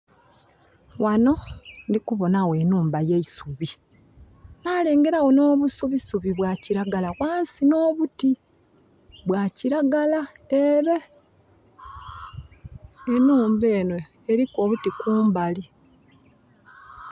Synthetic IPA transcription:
wʔano̞ndikuβo̞nawe̞nuːmbajeisuβi | nale̞ːŋɡe̞ɾawo̞no̞ːβusuβisuβiβwaciɾaɡalaɣwaːnsino̞ːβuti | βwaciɾaɡalaeɾe | enuːmbe̞ːnweː | ɾiko̞ːβutikuːmbali

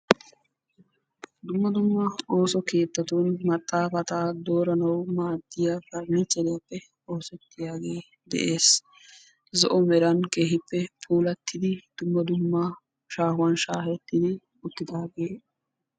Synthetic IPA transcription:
d̪ʊmːɐd̪ʊmːɐo̞ːsɔke̞ːt̪ːɐt̪uːnmɐt̪ʼːaːpɐt̪aːd̪o̞ːɾɐnɐwmaːd̪ːɪjakɐɾnɪt͡ʃːɛlɪjɐpːɛ | oːsɛt̪ːɪjaːɡe̞ː | d̪ɛ̰ʔe̞ːs | zɔʔɔmɛɾɐnke̞ːɦɪpːɛpʰuːlɐt̪ːɪd̪ɪd̪̥ʊmːɐd̪ʊmːɐ | ʃaːhʊwɐnʃaːɦɛt̪ːɪd̪ɪ | ʊt̪ːɪd̪aːɡe̞ː

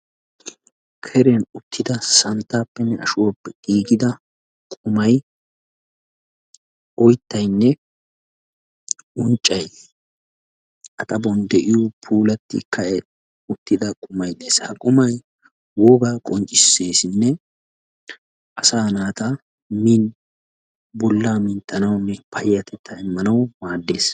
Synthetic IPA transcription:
kʰɛɾɛnʊt̪ʰːɪd̪ɐsɐnt̪ːaːpːɛnːɛʔɐ̰ʃʊwɔpːɛɡ̥iːɡɪd̪ɐ | kʼʊmɐj | ɔjt̪ːɐjnːɛ | ʊnt͡ʃʼːɐj | ɐt̪ʼɐbɔnd̪ɛʔɪjɔpʰuːlɐt̪ːɪ̰kːɐɛ | ʊt̪ːɪd̪ɐkʼʊmɐjd̪e̞ːshɐkʼʊmɐj | woːɡakʼɔnt͡ʃʼɪsːe̞ːsɪnːɛ | ʔɐsaːnaːt̪ɐ | min | bɔlːaːmɪnt̪ːɐnɐwnːɛpʰɐjːɐt̪ʰɛt̪ʰːɐɪmːɐnɐwmaːd̪ːe̞ːs

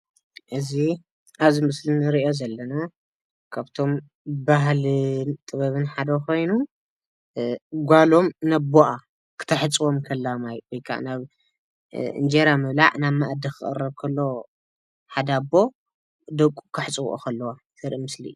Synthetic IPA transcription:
ʔɨzi | ʔaβzimɨslinɨɾiʔjozɐlːɐna | kʰaβt̪ʰo̞m | baɦlnt̪ʼɨβɐβɨnħad̪ɐkʰo̞jnu | ɡʷalo̞mnɐboʔa | kʰɨ̥t̪ʰɐħɨt͡sʼwomkʰɐlːamajwɔjkʰa̰ʔnaβ | ɨ̰nd͡ʒeɾamɨβlaʕnaβmaʔd̪ikʰɨχʼɨ̰rːɐβkʰɐlːo̞ | ħad̪abo̞ | d̪ɐkʼukʰɨħɨt͡sʼw̰ʔo̰kʰɐlːɐwa | sɨɾimɨslḭ

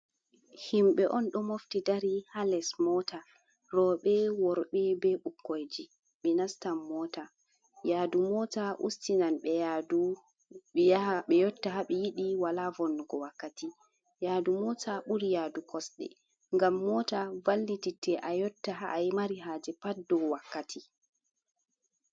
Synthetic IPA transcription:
himɓɛʔɔnɗɔmoftidaɾihalɛsmɔta | ɾɔɓɛwɔɾɓɛbɛɓukːojd͡ʒi | ɓɛnastamːɔta | jadumɔtaʔṵstinanɓɛjadu | aɓɛjɔtːaɦaɓɛjiɗiwalavɔnːuɡɔwakːati | jaːdumɔtʰaɓuɾijadukʰɔsɗɛ̰ | ŋɡamːɔtavalːititːɛʔajɔtːaɦaʔjmaɾiɦaːd͡ʒɛpadɔwakːatʰi

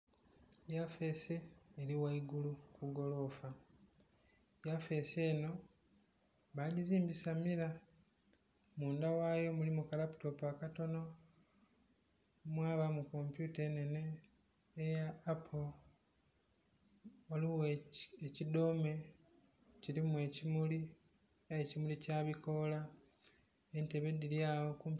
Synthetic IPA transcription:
jafe̞seːɾiwaiɡulukuɡo̞lo̞ːfa | jafe̞se̞ːno̞ | βaːɟiziːmbisamiɾa | muːndawaːjo̞mulimukalapu̥to̞pakato̞no̞ | mwaːβamukompjutenene̞ː | jaːpʰo | oliweecido̞me̞ | ciɾimue̞cimuli | ecimulicaːβiko̞la | enteβe̞dilijaːwokump

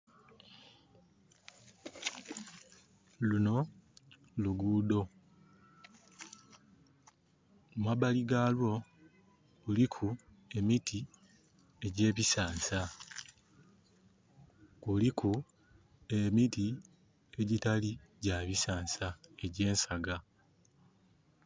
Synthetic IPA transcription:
luno̞ | luɡuːdo̞ | mwabaliɡalwo̞ | ulikʰu | e̞mitʰi | e̞ɟe̞ːβisaːnsa | kulikʰu | emiti | e̞ɟitaliɟaβisaːnsae̞ɟe̞ːnsaɡa

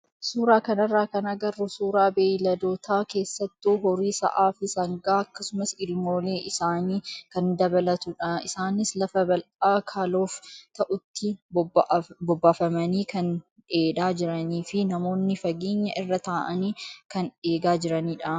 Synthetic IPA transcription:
suːɾaːkɐnɐrːaːkɐnɐɡɐrːʊsuːɾaːbeːjlɐd̪o̞ːt̪ʰaːke̞ːsːɐt̪ːuːɦɔɾiːsɐ̰ʔaːfɪsɐŋɡaːɐkːɐsʊmɐsɪlmo̞ːle̞ːʔɪsaːniːkɐnd̪ɐbɐlɐt̪ʊᶑɐɪsaːnɪslɐfɐbɐlʔaːkʰaːlo̞ːft̪ɐʔʊt̪ːɪ | bɔbːaːfɐmɐniːkɐn | eːᶑaːd͡ʒɪɾɐniːfɪnɐmo̞ːnːɪfɐɡeːɲːɐʔɪrːɐt̪aːʔɐniːkɐne̞ːɡaːd͡ʒɪɾɐniːᶑɐ

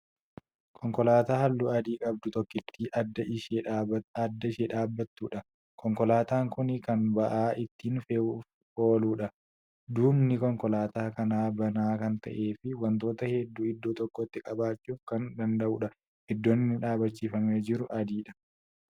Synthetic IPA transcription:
kʰɔŋkɔlaːt̪aːhɐlːuːɐd̪iːkʼɐb̚d̪ʊt̪ɔkːɪt̪ːiːʔɐd̪ɐɪʃeɐd̪ːɐɪʃeːᶑaːbːɐt̪ːuːᶑɐ | kʰɔŋkɔlaːt̪aːŋkʊnɪkɐnbɐʔaːʔɪt̪ːiːnf | oːluːᶑɐ | d̪uːmnɪkɔŋkɔlaːt̪aːkɐnaːbɐnaːkɐnt̪ɐ̰ʔe̞ːfɪwɐnt̪o̞ːt̪ɐhɛd̪ːuːɪd̪ːoːt̪ɔkːɔt̪ːɪkʼɐbaːt͡ʃːuːfkɐnd̪ɐnd̪ɐʔuːᶑɐ | hɛd̪ːoːnːɪnːɪᶑaːbɐt͡ʃːiːfɐmeːd͡ʒɪɾʊʔɐd̪iːᶑɐ̥

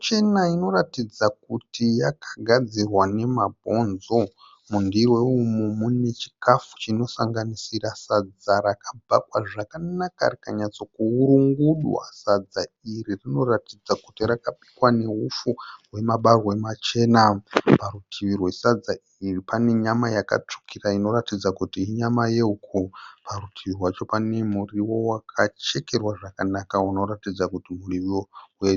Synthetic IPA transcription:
t͡ʃe̞naino̞ratid͡zak̚utijakʰḁɡʱad͡zirwane̞mabʱo̞nzo̞ | mundiwe̞umumune̞t͡ʃi̥kafu̥t͡ʃino̞saŋɡanisirasad͡zarakab͡vakwaʐakanaka̰rikaɲat͡so̞kuuɾuŋɡuɗwa̰sad͡zairirino̞ratid͡zakutirakaɓi̥kwane̞ɦufuwe̞maɓarwe̞mat͡ʃe̞ːnapaɾutʰiʋirwesad͡za | iripane̞ɲamajaka̰t͡ʂu̥kiraino̞ɾatid͡zakutiːɲamaje̞ukʰuparutʰiʋirwat͡ʃo̞pane̞muriwo̞wakʰat͡ʃe̞ke̞rwaʐakanakauno̞ɾatid͡zakutimuriʋoue

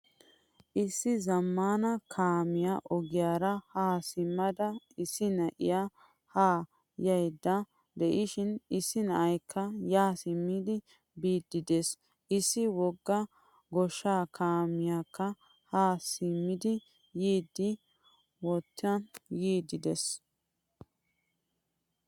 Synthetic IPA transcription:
ʔɪsːɪzɐmːaːnɐkʰaːmɪjaʔɔɡɪjaːɾɐhaːsɪmːɐd̪ɐ | ɪsːɪnɐʔɪ̰ja | haː | jɐjd̪ːɐ | d̪ɛʔɪʃɪnɪsːɪnɐʔɐjkʰːɐjaːsɪmːɪd̪ɪ | biːd̪ːɪd̪es | ʔɪsːɪwɔɡːɐ | ɡɔʃːaːkʰaːmɪjakːɐ | haːsɪmːɪd̪ɪ | jiːd̪ːɪ | wɔt̪ːɐjiːd̪ɪd̪ɛs

